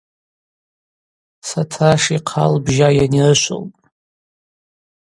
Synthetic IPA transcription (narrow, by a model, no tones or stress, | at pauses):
satʰaʂiqʰa̰lbʒajanirɨʃʷo̰lpʼ